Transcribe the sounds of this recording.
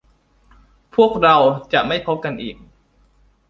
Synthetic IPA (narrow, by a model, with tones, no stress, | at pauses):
pʰu˥˩ək̚ɾa˧wt͡ɕa˨˩ʔma˥˩jpʰo˦˥p̚ka˧nʔiː˨˩k̚